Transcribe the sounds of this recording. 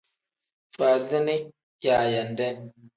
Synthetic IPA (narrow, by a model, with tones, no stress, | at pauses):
fa˨zə˦ni˦ | ja˨ja˨ndɛ˦˨n